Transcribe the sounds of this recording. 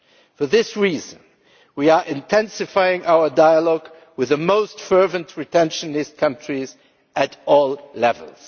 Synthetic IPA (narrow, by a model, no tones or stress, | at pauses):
fə˞ðɪsɹizə̃n | wiə˞ʔɪ̃ntʰɛ̃nsɨfaɪɪ̃ŋʔaʊə˞daɪəlɔɡ | wɨðɨmoʊstfɜ˞vɨ̃ntʰɹɨtʰɛ̃nʃɨnɪst̚kʰʌ̃ntɹ̥iz | ʔɨɾɔlˠlɛvə̰lˠz̥